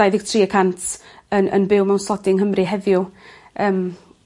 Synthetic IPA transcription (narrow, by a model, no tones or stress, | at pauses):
ajðɪɡ̥̚tʰriːəkʰantʰənʔə̰nbɪwmawnsɔdɪŋɦəmrɨɦɛðjʊ | əːm